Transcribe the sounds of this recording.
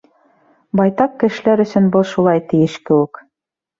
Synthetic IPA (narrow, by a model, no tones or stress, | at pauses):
bɑjt̪ɑqːɘ̆ʃɘ̆læɾɵ̆sɵnbɤlˠʃulˠɑjt̪ɘ̆jɘʃkɘ̆wɘk